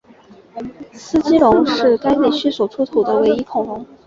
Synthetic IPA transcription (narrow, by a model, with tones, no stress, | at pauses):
sɹ̩˥t͡ɕi˥lʊ˧˥ŋʂɻ̩˥˩ka˥ɪle˥˩ɪɕy˥swɔ˨˩ʈ͡ʂʰu˥t̪ʰu˨˩d̪ə˦we˧˥ɪi˥kʰʊ˨˩ŋlʊ˧˥ŋ